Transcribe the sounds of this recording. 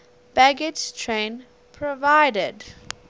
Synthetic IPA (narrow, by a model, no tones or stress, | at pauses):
b̥æɡɪd͡ʒtʰɹẽn | pʰɹɔvaɪdəd